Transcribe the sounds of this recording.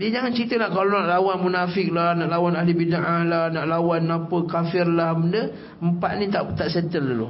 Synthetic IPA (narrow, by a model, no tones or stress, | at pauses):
diəd͡ʒaŋant͡ʃɾit̪əlahkalonaʔlawanmunafɪk̚lahnaʔlawanalibidaʔahlahnaʔlawanːapəkafɪrlahməndə | əmpaʔ̪̚nĩt̪aʔt̪aʔsɛt̪əlːalʊ̰